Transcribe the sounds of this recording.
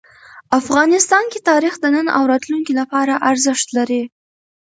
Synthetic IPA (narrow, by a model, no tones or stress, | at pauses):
afɣɑnɪst̪ɑnket̪ɑɾixd̪ənəna̰wɾɑt̪luŋkilapɑɾaʔaɾzɪʃt̪laɾi